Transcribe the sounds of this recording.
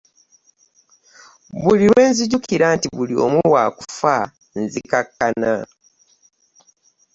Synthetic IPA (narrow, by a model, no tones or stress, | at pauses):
βuliɾwe̞ːnziɟukiɾantiβulio̞̰muwaːku̥fa | nzikakːana